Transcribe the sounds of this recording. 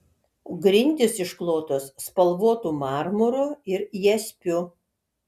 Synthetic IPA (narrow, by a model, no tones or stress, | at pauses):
ɡɾʲɪnʲt̪ʲɪsɪʃklˠoːt̪osːpɐlˠʋoɔt̪umɑːɾmʊɾʊɪɾjɛsʲpʲʊ